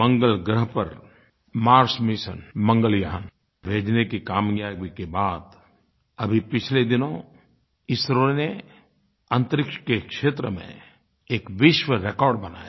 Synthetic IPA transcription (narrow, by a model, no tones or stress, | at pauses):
mɐ̃ŋɡəlɡɾəɦpəɾ | maːɾsmɪʃə̰nmɐ̃ŋɡəljɐɦən | bʱeːd͡ʒnekikaːmɡaʋikebaːd̪ | ɐbʱipɪt͡ʃʰled̪ɪnõ | ɪsɾone | ə̃nt̪əɾɪkʃkekʃeːt̪ɾəmḛ̃ | eːkʋɪʃwəɾekɔːɾɖbɐna̰ːja